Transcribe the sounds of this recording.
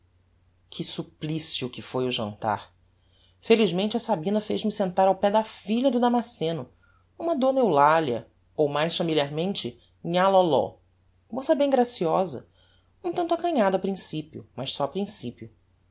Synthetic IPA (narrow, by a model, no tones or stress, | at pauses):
kʰɪsuplisiʊkɪfojʊʒɐ̰̃nt̪a̰ɾ | feliʒmẽnt͡ʃɪɐsabĩnɐfeʒmɪsẽnt̪aɾawpɛd̪ɐfiʎɐd̪ʊd̪amasẽnʊ | ũmɐd̪onewlaliɐ̰ | owmajsfamiliaɾmẽnt͡ʃɪ̃ | ɲalɔlɔ̰ | mosɐbẽj̃ɡɾasiɔzɐ̰ | nũt̪ɐ̃nt̪ʊɐkɐ̃ɲad̪ɐpɾĩsipjʊ̰mɐʃsɔɐpɾĩsipjʊ